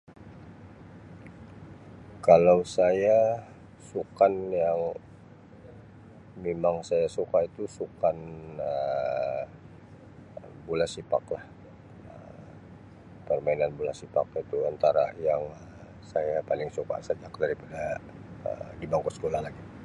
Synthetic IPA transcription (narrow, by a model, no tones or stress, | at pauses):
kalawsaja | sukanjaŋ | memaŋsajasukait̪usukanə | bulasipa̰klah | ə | pərmainanbulasipa̰kit̪uant̪aɾa̰jaŋə | sajapalɪŋsuka̰səd͡ʒak̚daɾipada | ə̰dibaŋkosə̥kolahlaɡi